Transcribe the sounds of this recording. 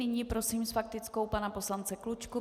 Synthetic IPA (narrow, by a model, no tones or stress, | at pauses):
ɪɲiːpɾo̞siːmsfak̚t̪ɪt͡sko̞wpanapo̞slant͡sɛklut͡ʃku